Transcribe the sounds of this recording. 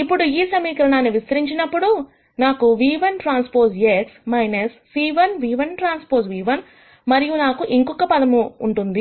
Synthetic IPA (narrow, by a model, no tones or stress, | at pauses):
ipːuɽuiːsɐmiːkɐɾɐnaːnːiʋist̪ɐɾiɲt͡ʃinɐpːuɽu | naːkuʋiːʋɐnʈɾaːnspoːɾseksmɐjnɐsːiːʋɐnʋiːʋɐnʈɾaːnspoːɾʋiːʋɐn | mɐɾijunaːkuʔiŋkɔkːɐpɐd̪ɐmuːɳʈund̪i